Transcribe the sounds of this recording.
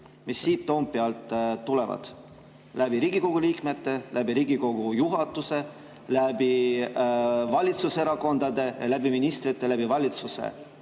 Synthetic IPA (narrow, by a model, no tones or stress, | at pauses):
misːiːt̪ːo̞mpːiɑlt̪ːule̞vɑ̰d̪̥ | læbiɾiːɡ̥iko̞ɡ̥uliːkme̞t̪ːe̞lʔæbiɾiːɡiko̞ɡ̥ujuɦɑt̪ːˑuse̞ | læbi | vɑlʲit̪suseɾɑko̞nd̪̥ɑd̪e̞jɑlæbiminist̪ɾit̪ːˑe̞læb̥ivɑlʲit̪suse̞̰